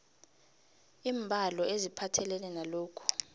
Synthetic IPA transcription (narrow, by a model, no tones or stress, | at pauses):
iːmbʱalɔezipʰatʰɛlɛlɛnaloːkʰu̥